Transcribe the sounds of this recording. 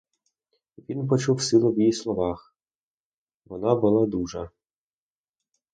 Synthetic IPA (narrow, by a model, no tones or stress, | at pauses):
ʋʲinpɔt͡ʃuwsɨlˠɔwjislˠɔʋɑx | ʋɔnabʊlˠɑd̪uʒɐ